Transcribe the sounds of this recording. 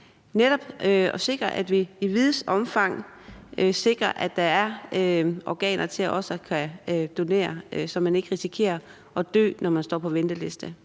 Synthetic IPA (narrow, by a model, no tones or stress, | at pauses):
neɾ̥ɒ̽b̥ɒse̝ɡ̥ʁɐʔæd̥ʋiiʋiðˠsɒ̽mfɑ̈ŋ̰ | se̝ɡ̥ʁɐʔæ̥ɑ̈æɐ | ɒɡ̥ɛ̰ːnʔɐt͡sʰe̝læʔɒ̽sɒkʰæd̥o̝ne̝̰ːɐsɒ̽mːæne̝ɡ̥əʁisikʰe̝̰ːɐ | ʔɒ̽d̥ø̰ːnʔɒmænsd̥ɒ̰ːpʰɒ̽ʋend̥əle̝sd̥ə